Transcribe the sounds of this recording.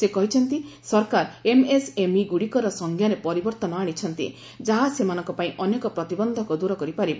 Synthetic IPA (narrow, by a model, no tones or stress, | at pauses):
sekɔɦit͡ʃʰɔnt̪isɔɾkaɾemesemiɡuɽikɔɾɔsɔŋɡʱjaɾepɔɾibɔɾt̪ɔnɔaɽ̃it͡ʃʰɔnt̪ḭ | d͡ʒaɦasemanɔ̃ŋkɔpaĩʔɔnekɔpɾɔt̪ibɔnd̪ʱɔkud̪uɾɔkɔɾipaɾib